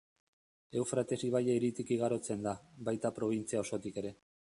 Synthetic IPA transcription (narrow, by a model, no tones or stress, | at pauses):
e̞wfɾat̪e̞siβajaiɾit̪ikiɣ̞aɾo̞t͡se̞nd̪aβajt̪apɾo̞β̞int͡siao̞so̞t̪ike̞ɾe̞